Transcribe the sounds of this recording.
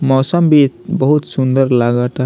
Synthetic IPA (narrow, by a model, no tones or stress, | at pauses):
mɔːsəmbit̪̚bəɦut̪sund̪əɾlaɡəʈ